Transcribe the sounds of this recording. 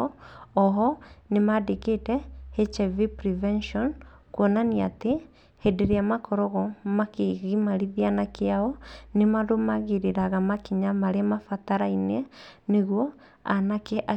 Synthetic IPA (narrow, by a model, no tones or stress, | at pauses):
ɔɦɔnemadeketɛhet͡ʃevipɾivɛnʃɔn | kwɔnania̰te | hedeɾeamakɔɾɔɣɔmakeɣimaɾiðianakeaɔnemaðomaɣiɾeɾaɣamakiɲamaɾemafataɾaineneɣwɔ | anakeʔa